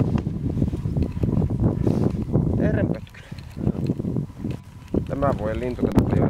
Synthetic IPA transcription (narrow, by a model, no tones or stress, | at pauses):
eɾempøt̪ky̥ | t̪æmæʋojɑlint̪uk̪et̪ui